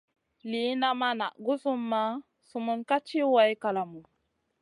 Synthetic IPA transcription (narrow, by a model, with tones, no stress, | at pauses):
li˨˦na˦ma˦na̰˨ʔɡu˦su˦mːa˦ | su˨mu˦nka˦t͡ʃi˦wa˨˦jka˨la˨mu˨